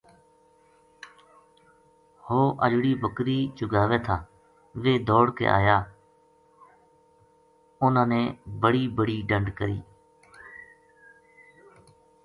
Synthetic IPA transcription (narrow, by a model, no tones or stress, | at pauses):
hoːʔə̰d͡ʒɽiːbəkɾiːt͡ʃʊɡaːʋeːt̪ʰaː | ʋeːd̪ɔːɽkḛːʔa̰ːjaː | ʊnãːneːbəɽiːbəɽiːɖəɳɖkəɾḭː